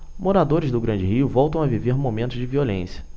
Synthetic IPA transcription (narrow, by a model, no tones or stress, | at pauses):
moɾad̪oɾɪzd̪ʊɡɾɐ̃d͡ʒɪhiʊvɔwt̪ɐ̃w̃aviveɾmomẽnt̪ʊzd͡ʒɪviolḛ̃sjɐ